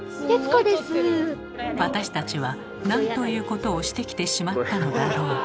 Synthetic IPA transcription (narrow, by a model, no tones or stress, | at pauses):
t̪esɨkod̪esɨ | βat̪aɕi̥t̪at͡ɕiβa | nãnt̪o̞jɯ̟ːko̞t̪o̞ːɕi̥t̪e̞kʲi̥t̪e̞ɕimat̪dːano̞d̪aɾo̞ː